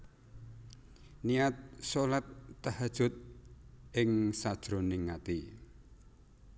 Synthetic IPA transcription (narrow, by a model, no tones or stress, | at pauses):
niat̪̚solat̪ːahad̥ʒ̥ʊt̪̚ʔɪŋsad̥ʒ̥ɾonɪŋːat̪i